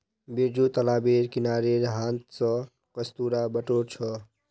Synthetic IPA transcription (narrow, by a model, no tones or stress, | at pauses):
bed͡ʒut̪əlabiɾkinaɾeɾɦãnt̪sə̃ | kəst̪uɾabəʈoɾt͡ʃʰɔ